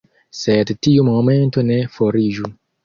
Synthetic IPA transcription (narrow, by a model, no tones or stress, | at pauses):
sɛt̪tiumɔmɛ̃nt̪onɛfoɾiʒu